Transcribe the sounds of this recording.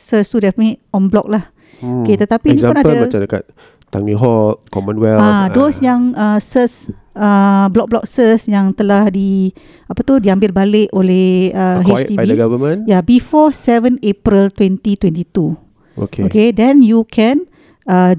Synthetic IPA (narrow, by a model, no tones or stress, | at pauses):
səst̪udɛpmĩʔɔnblɔk̚lah | oket̪ət̪apiiaponamãt͡ʃadəka̰t̪̚ | t̪aŋiɦɔkɔmə̃nwɛladosjaŋəsəs | əblɔk̚blɔk̚səsjaŋt̪əlahdi | apat̪udiambɪlbalɪʔolɛhəɦet̪iiɡavəmə̃njabifɔsɛvə̃nepɾilt̪wɛnt̪it̪wɛnt̪it̪u | o̰keokedɛ̃njukʰɛ̃n | ə